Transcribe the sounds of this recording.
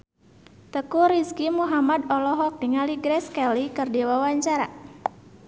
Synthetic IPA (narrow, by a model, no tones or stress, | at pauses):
t̪əkuɾiskimuɦamad̪ɔlɔɦɔk̚diŋaliɡɾɛskɛlikɨrdiwawaɲt͡ʃaɾa